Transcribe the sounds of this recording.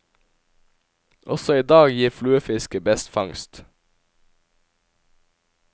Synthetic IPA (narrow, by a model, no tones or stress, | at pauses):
ʔɔsɔiːd̪ɑːɡjiːflʉːəfɪskəbɛst̪fɑŋst̪